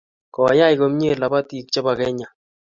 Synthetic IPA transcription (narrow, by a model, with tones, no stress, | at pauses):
kɔ˨ja˦jko˦mɲe˦˨la˨ba˦ti˦k̚t͡ʃɔ˦ba˨kɛ˦ɲa˨